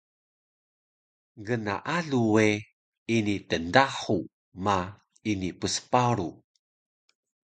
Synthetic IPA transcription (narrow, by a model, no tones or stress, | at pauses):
ɡəna̰ʔaɮue | initəndaħu | ma | inipəsə̥paɾu